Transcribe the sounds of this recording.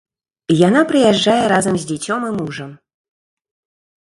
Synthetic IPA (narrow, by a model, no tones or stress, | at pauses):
jan̪apɾɨjaʐːajɛɾazɐmzʲd͡zʲɛt͡sʲɔmimuʐɐm